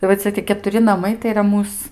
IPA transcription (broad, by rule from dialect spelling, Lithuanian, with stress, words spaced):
ɪ ʋɐ ˈt͡sʲɛ tʲiɛ kʲɛtʊˈrʲɪ nɐˈmɐɪ tɐɪ iːˈrɐ ˈmuːs